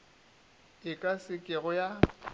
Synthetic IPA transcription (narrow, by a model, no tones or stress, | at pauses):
ɪkʼasɪkʼɪɣʊja